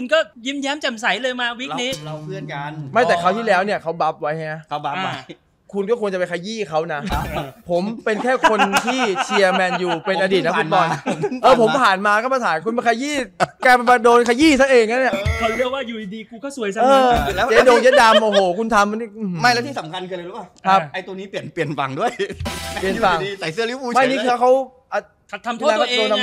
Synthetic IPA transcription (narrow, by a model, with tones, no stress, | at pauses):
u˧nkɔː˥˩ | ji˦˥mjɛː˦˥mt͡ɕa˨˩msa˩˦jlɤː˧jmaː˧wi˦˥ni˦˥˧pʰɯ˥˩əna˧ma˥˩t̪ɛː˨˩kʰa˦˥wt̪ʰiː˥˩lɛː˦˥wni˥˩ɐkʰa˦˥wba˦˥p̚wa˦˥jha˧ŋa˦˥ʔʰa˦a˦ | kʰu˧nkɔː˥˩u˧ŋt͡ɕa˨˩pe˧ŋkʰa˧jiː˥˩kʰa˦˥wna˦˥pʰo˩˦mpe˧nkʰɛː˥˩kʰo˧nnt̪ʰiː˥˩t͡ɕʰi˧ɐmɛː˧njuː˨˩pe˧nʔa˧diː˨˩t̪̚na˦˥kʰu˧˩˦nmɔː˨˧˩jʔɤː˧pʰo˩˦mpʰaː˨˩nmaː˧kɔː˥˩ma˧t̪ʰaː˨˦jkʰu˧npa˧nkʰa˧jiː˥˩kaː˧˩pa˧˩maː˧doː˧nkʰaː˧jiː˥˩sa˦˥ʔeː˧ŋ˨ŋa˦˥nːi˥˩kʰɔ˧ɾi˦˥˩waː˥˩juː˨˩i˨˩diː˧kuː˧kʰaː˥˩wsu˨˩˦əjsa˦ɤː˧u˨˩lɛ˦˥t͡ɕe˦˥doː˧ŋje˦˥t̚daː˧mʔoː˧˩ɦoː˨˩˦kʰu˧nt̪ʰa˧mni˥˩˧ma˥˩jlɛ˦˥wt̪ʰiː˥˩sa˩˦mkʰa˧nkʰɯː˧ləː˧lu˦˥a˨˩kʰa˦˥˩p̚a˧jt̪niː˦˥pi˨˩ənpli˨˩ənfa̰˨˩ŋdu˥˩əjpli˨˩əfa˨˩ŋː˧sa˨˩˦jsɐli˦˥puː˧ma˥˩˨niː˦˥kɯː˧kʰa˦˥w | ʔa˧˩a˨˧˩t̪ʰːa˧mʰ˧˥˧a˧˥oː˧nʰa˧m